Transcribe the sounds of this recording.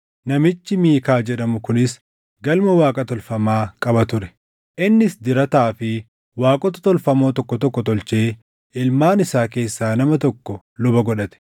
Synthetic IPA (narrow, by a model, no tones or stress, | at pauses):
nɐmɪt͡ʃːɪmiːkaːd͡ʒɛᶑɐmʊkʊnɪs | ɡɐlmɐwaːkʼɐt̪ɔlfɐmaːkʼɐbɐt̪ʊɾɛ̥ | ʔɪnːɪsd̪ɪɾɐt̪aːfɪ | waːkʼɔt̪ɐ̥t̪ɔlfɐmoːt̪ɔkːɔt̪ɔkːɔt̪ɔlt͡ʃe̞ː | ʔɪlmaːnɪsaːke̞ːsːaːnɐmɐt̪ɔkːɔ | lʊbɐɡɔᶑɐt̪ɛ̥